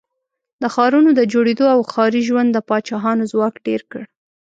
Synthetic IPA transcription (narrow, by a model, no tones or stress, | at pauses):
d̪əxɑɾunod̪əd͡ʒoɽed̪oawxɑɾiʒwand̪ːəpɑt͡ʃɑɦɑnozwɑkɖeɾkəɽ